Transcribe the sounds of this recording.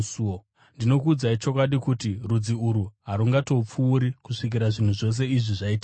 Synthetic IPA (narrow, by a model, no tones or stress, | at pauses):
suo | ndino̞kuːd͡zait͡ʃo̞kwaɗikutirud͡ziuɾuɦaɾuŋɡato̞p͡fuːɾikuʂik̬iɾaʐin̤uʐo̞s̬e̞iʐiʐaita